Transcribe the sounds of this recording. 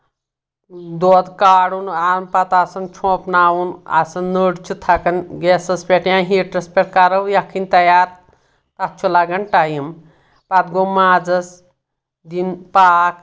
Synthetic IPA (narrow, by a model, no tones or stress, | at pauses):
d̪od̪kaːɽunaːmpɐt̪asɐnt͡ʃʰõpnaːwuna̰sɐnːəɽt͡ʃʰut̪ʰɐkɐnɡesɐspeʈjãɦiʈɾɐspeʈ̚ʰkaɾɐjakʰinʲt̪ɐjaːɾ | t̪at̪̚t͡ʃʰulaɡɐnʈajim | pat̪ɡomaːd͡zɐs | d̪inpaːk